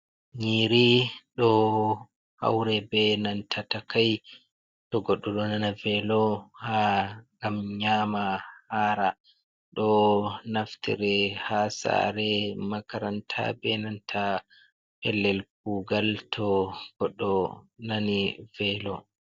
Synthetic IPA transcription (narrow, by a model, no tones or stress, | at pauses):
ɲiːɾiɗɔ | ha̰wɾɛbɛnantʰatakaj | tɔɡɔɗːɔɗɔnanavɛlɔhaŋɡamɲamahaːɾa | ɗɔnaftḭɾɛhasa̰ɾɛmakaɾantʰa̰bɛnantʰa | pɛlːɛlk̚uːɡaltʰɔɡ̥ɔɗːɔnanivɛlɔ